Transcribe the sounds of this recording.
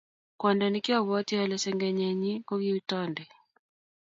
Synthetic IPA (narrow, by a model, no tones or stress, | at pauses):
kwɔndanikiaβɔtialɛsɛŋɡɛɲɛɲikɔɣiutɔndɛ